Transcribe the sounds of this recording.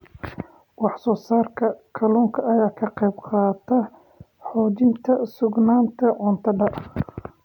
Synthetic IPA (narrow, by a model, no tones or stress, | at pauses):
wɑħsɔːsaːrkʰɐkʰɐlɔːŋkʰɐʔɐjaːkʰɐqɛjbqɑːt̪ʰɐ | ħɔːt͡ʃɪnt̪ʰɐsʊɡnaːnt̪ʰɐʕɔnt̪ʰɐɖɐ